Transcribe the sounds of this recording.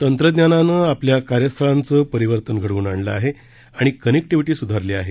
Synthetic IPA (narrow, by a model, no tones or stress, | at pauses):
t̪ənt̪ɾəd̪njananəapljakaɾjəst̪ʰəɭant͡səːpəɾiʋəɾt̪ənɡʱəɽuːnaɳləaɦe | aɽ̃ikənek̚ʈiʋiʈiːsud̪ʱaɾleaɦe